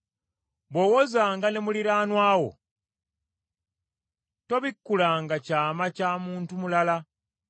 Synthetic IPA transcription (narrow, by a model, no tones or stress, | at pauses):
βwo̞wozaːŋɡane̞muliɾaːnwaːwo̞̰ | to̞βikːulaːŋɡacaːmacaːmuːntumulala